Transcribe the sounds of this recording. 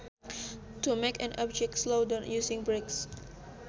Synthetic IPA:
tumekɛ̰̃nʔɔb̚d͡ʒɛk̚tslodɔ̃njusɪ̃ŋbɹeks

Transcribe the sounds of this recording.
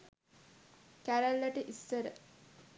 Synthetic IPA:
kæɾælːəʈəʔisːəɾə̰

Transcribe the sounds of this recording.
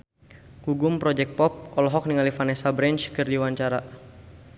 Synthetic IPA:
kuɡʊmpɾɔd͡ʒɛk̚t̪̚pɔp̚ʔɔlɔɦɔk̚niŋalifanɛsabɾɛnt͡ʃkɨrdiwaɲt͡ʃaɾa

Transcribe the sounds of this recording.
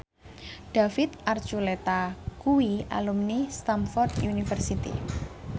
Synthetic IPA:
ɖ̥afɪt̪ʔart͡ʃulet̪akuwia̰lumnist̪amfɔrd̪junifərsit̪ḭ

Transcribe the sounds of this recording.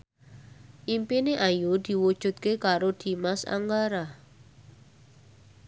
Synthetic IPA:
ʔimpineʔajud̪̥i̤wud̥ʒ̥ṳt̪̚kekaɾod̪̥i̤masa̰ŋɡaɾa

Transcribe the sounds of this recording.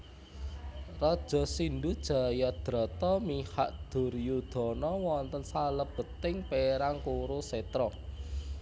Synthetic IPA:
rɔd̥ʒ̥ɔ̤sindud̥ʒ̥ä̤jad̪̥ɾɔ̤t̪ɔmihaʔd̪̥ʊ̤rjud̪̥ɔ̤nɔwɔnt̪ənsaləb̥ə̤t̪ɪŋpeɾaŋkuɾuset̪ɾɔ

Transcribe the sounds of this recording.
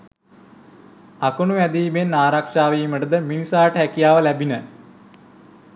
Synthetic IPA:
akonuʋæd̪iːmenːaːɾakʂaːʋiːməʈəd̪əminisaːʈəɦækijaːʋəlæbinə

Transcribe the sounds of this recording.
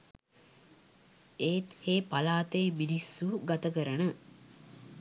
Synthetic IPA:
eːt̪heːpalaːt̪ejminisːuːɡat̪ɐkəɾənə

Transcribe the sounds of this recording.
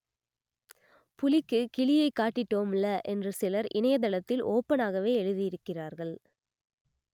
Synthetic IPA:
pʊlɪkːɯkɪɭɪjɐɪkːaːʈːɪʈːoːmɪlːɐʔɛndrɯsɪlɐɾʔɪnɐjɐt̪ɐɭɐt̪ːɪlʔoːpːɐnaːɣɐʋeːɛɻɯðɪjɪɾɯkːɪraːɾɣɐɭ

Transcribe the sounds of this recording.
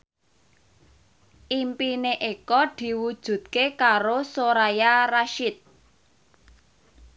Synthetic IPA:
ʔimpineʔekɔd̪̥i̤wud̥ʒ̥ṳt̪̚kekaɾosoɾajaraʃɪt̪̚

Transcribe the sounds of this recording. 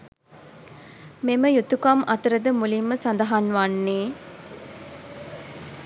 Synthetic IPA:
meməjut̪ukɐmʔɐt̪əɾəd̪əmulimːəsɐnd̪ɐɦanʋanːeː

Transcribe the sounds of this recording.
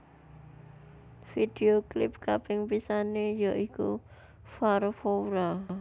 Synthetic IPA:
fid̪̥eoklɪp̚kabɪŋpisanejɔʔikṵ | farfowɾa

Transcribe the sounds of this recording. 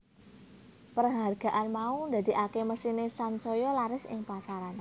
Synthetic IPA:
pərɦarɡ̥a̤ʔanmaund̪a̤d̪̥i̤ʔakeməsinesansɔjɔlaɾɪsɪ̰ŋpasaɾan

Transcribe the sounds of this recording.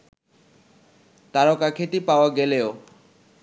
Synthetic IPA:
t̪aɾokakʰet̪ipaoaɡeleo

